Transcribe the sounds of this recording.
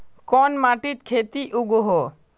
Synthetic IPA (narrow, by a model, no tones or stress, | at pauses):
kɔnmaʈit̪̚kʰet̪iʔuɡoɦo